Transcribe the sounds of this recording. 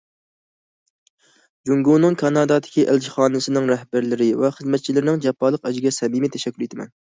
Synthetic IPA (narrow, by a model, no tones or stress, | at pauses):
d͡ʒuŋɡunɨŋkʰɑnɑːd̪ɑːd̪ɪ̥kʲiʔæld͡ʒiχɑːnɨsɪnɪŋɾɛhbæɾlɪɾɪvɛχəzmɛt̪̚t͡ʃʰilɪɾɪnɪŋd͡ʒɛpʰːɑːlˠːəqɛd͡ʒɪɡʲɛsɛmimit̪ʰɛʃɛkʲːylejt̪ʰɪmɛ̰n